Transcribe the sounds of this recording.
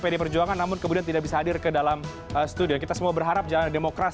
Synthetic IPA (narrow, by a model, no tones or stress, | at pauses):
pajdipərd͡ʒuaŋanːamʊnkəmudiant̪̬idak̚bisaɦadɪrkədalam | əst̪udiankit̪asəmuabərɦaɾap̚d͡ʒalandemokɾas